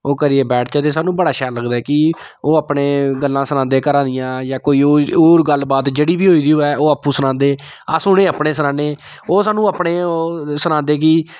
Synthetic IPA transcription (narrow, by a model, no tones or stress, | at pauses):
oːkəɾieːbɛːʈʰt͡ʃaːt̪eːsaːnũːbəɽaːʃaːləɡd̪aɛːkɪ | oːapɳeːɡəlːãːsənãːnd̪eːkəɾãːd̪ɪjãːjaːkoːiːoːoːɾɡəlːbaːt̪d͡ʒeːɽiːbiːɦoːiːd̪iːoːɛːʔoːaːpːũːsʊnãːnd̪eː | a̰ːsʊɽẽːəːpɳeːsənãːneː | oːsaːnũːapɳeːsʊnãːnd̪eːk̬ɪ